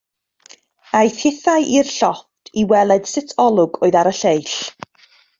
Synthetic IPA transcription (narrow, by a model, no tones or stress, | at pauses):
ajθhɪθajʔirɬɔptʰiwɛlˠɛd̥sɪtʰɔlˠʊɡoːɨðaɾəɬejɬ